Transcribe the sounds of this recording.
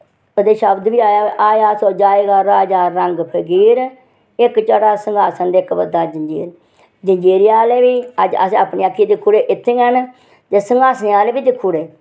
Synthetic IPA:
əd̪eːʃəbd̪biːaːjaːʔaːaːsɔːd͡ʒaːeɡaːɾaːd͡ʒaːɾəŋɡpʰəɡiːɾ | ɪkt͡ʃəɽaːsəŋɡaːsənd̪ɪkbəd̪aːd͡ʒə̃ɲd͡ʒḭːɾ | d͡ʒəɲd͡ʒeːɾɪjaːleːʋiːəd͡ʒə̰sẽapniːakʰːiːd̪ɪkʰːuːɽeːʔɪt̪ʰːẽːən | t̪eːsəŋɡaːsneːaːleːbiːd̪ɪkʰːuːɽeː

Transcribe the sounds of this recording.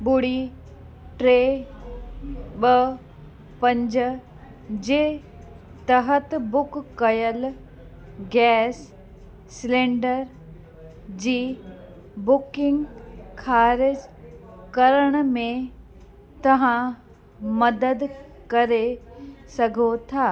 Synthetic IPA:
ɓʊɽi | ʈɾeː | ɓɐ | pɐ̃ɲd͡ʑʊ | d͡ʑeː | t̪ɐɦət̪bʊkːɐjəl | ɡɛːs | sɪlẽːɳɖəɾ | d͡ʑiː | bʊkɪ̃ŋɡkʰaːɾɪd͡ʑkɐɾəɽ̃mẽ | t̪ɐʋ̤ã | mɐd̪əd̪ | kɐɾesɐɡʱot̪ʰaː

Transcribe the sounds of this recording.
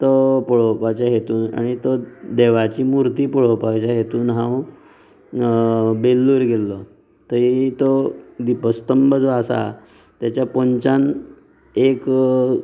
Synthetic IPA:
t̪ɔpɔɭopat͡ɕjaɦet̪uːna̰ɽ̃it̪od̪eʋat͡ɕiːmuɾt̪iːpɔɭopat͡ɕjaɦet̪uːnɦãw | belːuːɾɡelːɔ | t̪əɾit̪od̪ipəst̪əmbəd͡zɔasa̰t̪jat͡ɕjapɔɲt͡ɕan | ek

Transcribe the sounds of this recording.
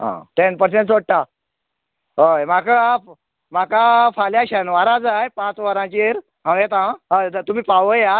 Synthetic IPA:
ɦã̰ʈenpəɾsẽɳʈsoɽ̚ʈa | ɦəjmaka | m̤akafaljaɕənʋaɾãd͡zajpãt͡sʋaɾãt͡ɕiɾ | ɦãet̪ãɦat̪um̤iːpaʋəja

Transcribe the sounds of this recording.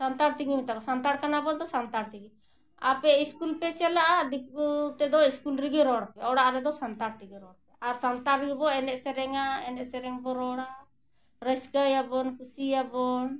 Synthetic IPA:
sant̪aɽt̪iɡimit̪akɔsant̪aɽkanabɔd̪ɔsant̪aɽt̪iɡi | a̰pɛiskulpɛt͡ʃɛlaʔad̪ik̚ut̪ɛd̪ɔiskulɾiɡiɾɔɽpɛɔɽaʔɾɛd̪ɔsant̪aɽt̪iɡiɾɔɽpɛaɾsant̪aɾɾɡibɔɛnɛʔsɛɾɛŋaɛnɛʔsɛɾɛŋbɔɾɔɽa | ɾəskajabɔnkusiabɔn

